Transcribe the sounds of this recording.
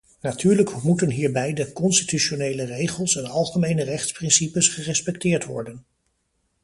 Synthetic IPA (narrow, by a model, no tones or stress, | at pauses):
natyːɹləkmutənɦiːɹbɛjdəkɔnstityʃonejlərejχəlˠsɛnɑlˠχəmejnərɛχtsprɪnsipəsχərɛspɛk̚tɪːɹtʋɔ̰ɹdən